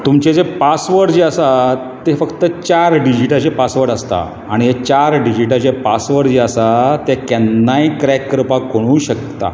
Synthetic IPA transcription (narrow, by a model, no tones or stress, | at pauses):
t̪umt͡ɕed͡zepasʋəɽd͡ʑeəsa | t̪efəkt̪ət͡ɕaɾɖid͡ʑiʈat͡ɕepasʋəɾʈəst̪a̰ | aɽ̃iɦet͡ɕaɾɖid͡ʑiʈat͡ɕepasʋəʈd͡ʑeəsat̪ekɛnːajkɾakːɾəpakoɽ̃ũːɕək̚t̪a̰